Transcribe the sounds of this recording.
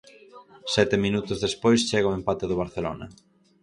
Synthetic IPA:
sɛt̪eminut̪ʊzðespojst͡ʃɛɣaoempat̪eðʊβ̞aɾθelo̰nɐ̰

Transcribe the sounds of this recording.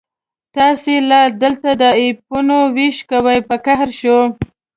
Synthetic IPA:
t̪ɑselad̪əlt̪ad̪əip̚unowiʃkawəjpəkaɦɾʃo

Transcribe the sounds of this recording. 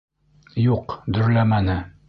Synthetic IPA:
juqd̪ɵ̆ɾlæmænɘ

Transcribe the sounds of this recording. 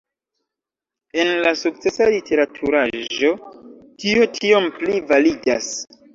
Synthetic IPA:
e̞nlasuk̚t͡se̞salitʰe̞ɾatʰuɾaʒo̞tio̞tʰio̞mplivalida̰s

